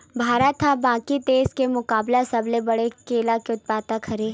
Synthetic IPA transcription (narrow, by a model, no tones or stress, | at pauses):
bʱaːɾət̪ʰabãːkit̪eːskemʊkaːblasɐblebɐɽekeːlakeʊt̪̚paːt̪akʰɐɾeː